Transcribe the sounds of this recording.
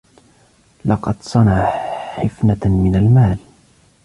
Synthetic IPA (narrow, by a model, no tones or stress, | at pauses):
lɑqɑd̪sˤɑnaʕħɪfnamɪnalmaːl